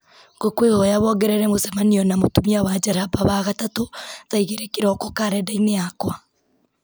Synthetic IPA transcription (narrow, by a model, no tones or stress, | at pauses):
ɡokwehɔjaβɔɡɛɾɛɾɛmosɛmaniɔnamotumiawad͡ʒaɾabaβaɣatatoðaiɣeɾekeɾɔkokaɾɛdaineakwa